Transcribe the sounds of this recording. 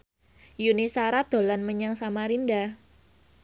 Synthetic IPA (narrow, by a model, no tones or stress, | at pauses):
junisaɾad̪̥o̤lanməɲaŋsamaɾinda